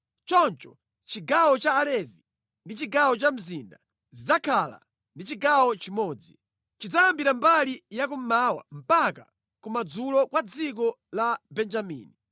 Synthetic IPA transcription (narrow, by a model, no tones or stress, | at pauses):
t͡ʃɔnt͡ʃɔ̥ | t͡ʃiɡawɔt͡ʃaːlɛvi | ndit͡ʃiɡawɔt͡ʃam̩zinda | zid͡zakʰala̰ | ndit͡ʃiɡawɔt͡ʃimɔːd͡zi | t͡ʃid͡zajambiɾambalijak̬um̩maːwa̰m̩paka | kumad͡zulɔkwad͡zik̬ɔ | labɛnd͡ʒamḭːni